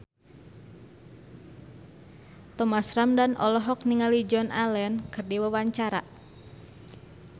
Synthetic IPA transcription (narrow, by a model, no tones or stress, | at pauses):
t̪ɔmasramdanʔɔ̰lɔɦɔk̚niŋalid͡ʒɔnʔalɛnkɨrdiwawaɲt͡ʃaɾa̰